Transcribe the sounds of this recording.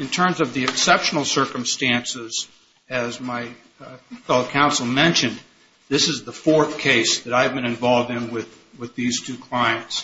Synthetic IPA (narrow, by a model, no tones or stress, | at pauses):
ɨ̃ntʰɜ̃˞mzʌvðiɨksɛpʃn̩l̩ˠsɜ˞kə̃m̩stæ̃nsɪz | ɨzmaɪ | fɛlˠkʰãʊ̃nsl̩ˠmɛ̃nʃɨ̃n | ðɪsɨzðəfɔɹθkʰeɪsðɨɾaɪvbɨ̃nɨ̃ɱvɑlˠvdɨ̃nwɪð | wɪðiz̥tʰʉkʰl̥aɪɨ̃nts